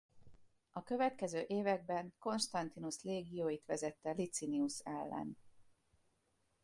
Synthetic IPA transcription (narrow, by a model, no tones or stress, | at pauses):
ɒkø̞vɛt̪kɛzøːʔeːvɛɡ̚bɛŋko̞nʃt̪ɒnt̪inusleːɡijoːjit̪ʋɛzɛt̪ːɛlit̪siniusɛ̰lːɛ̰n